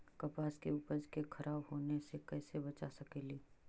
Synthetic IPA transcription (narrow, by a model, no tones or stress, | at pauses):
kɐpaːskeʊpəd͡ʒkekʰɐɾʔaːbɦoːnesekɛːsebɐt͡ʃasɐkeːliː